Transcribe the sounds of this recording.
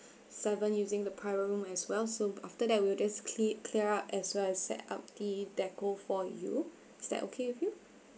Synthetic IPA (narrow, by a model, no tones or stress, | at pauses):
sɛvə̃njuzɪ̃ŋdəpʰɹaɪɹəɹũmɛswɛlsoaftədɛt̚wild͡ʒaskʰliəɹatɛswɛlɛssɛ̰ta̰p̚d̥idɛkofɔjṵ | ɪsdɛ̰tʔo̰kʰewɪfju